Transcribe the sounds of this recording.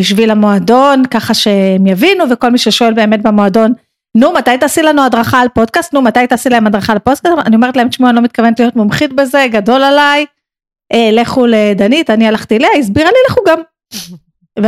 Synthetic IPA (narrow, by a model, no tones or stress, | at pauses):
biʃvilamoado̞nkaχaʃeemjavinuveko̞lmiʃeʃo̞e̞lbe̞ːme̞t̪̚bemoado̞nː | umat̪ajt̪aːsilanuadʁaχaːlpo̞d̚kast̪numat̪ajt̪aːsilaemad̪ʁaχaːlpodkasaniome̞ʁt̪laemtʃmualo̞mit̚kavenetlijo̞t̪momχit̪be̞ze̞ɡado̞lalaj | ʔeleχuled̪anit̪anialaχt̪ieleaizbiʁalileχuɡam | v